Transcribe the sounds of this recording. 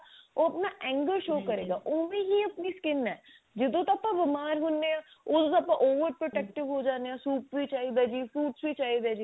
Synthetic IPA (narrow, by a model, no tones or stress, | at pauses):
oɐpnaʔɛ̃ːŋɡəɾʃoːkɐɾeːɡaːʔoːmẽɦiɐpniskɪnɛː | d͡ʒɪd̪õt̪ɐpːãʋɪmaːɾɦʊ̃nːeaːod̪õt̪oɐpãʔoːʋəɾpɾoʈɛk̚ʈɪʋɦod͡ʒaːneãsuːp̚bit͡ʃaːɦid̪aːd͡ʒiːfuːʈsbit͡ʃaːɦid̪ɛd͡ʒi